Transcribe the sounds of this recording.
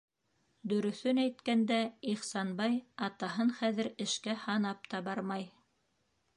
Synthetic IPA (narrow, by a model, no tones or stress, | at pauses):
d̪ɵ̆ɾɵ̆θɵnæjt̪kænd̪æiχsɑnbɑjɑt̪ɑɦɤnχæðɘ̆ɾɘ̆ʃkæhɑnɑp̚t̪ɑbɑɾmɑj